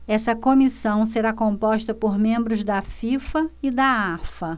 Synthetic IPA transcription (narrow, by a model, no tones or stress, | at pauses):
ɛsɐkomisɐ̃w̃s̬eɾakõpɔʃt̪ɐpoɾmẽmbɾʊzd̪ɐfifɐɪd̪ɐafɐ